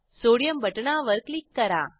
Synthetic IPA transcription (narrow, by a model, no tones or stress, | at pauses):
soːɽijɐmbɐʈːɐnaːʋɐɾklikːɐɾãː